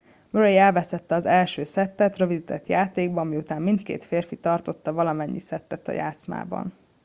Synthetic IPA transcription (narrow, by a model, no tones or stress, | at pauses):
møɾejɛlvɛst̪ɛt̪ːɛɒzɛlʃøːsɛt̪ːɛt̪rø̞vid̪it̪ɛt̪jaːt̪eːɡbɒɒmiut̪aːmːint̪kḛːt̪feːrfit̪ɒrt̪o̞t̪ːɒvɒlɒmɛɲːḭsɛt̪ːɛt̪ɒ̰ja̰ːt̪sma̰ːbɒ̰n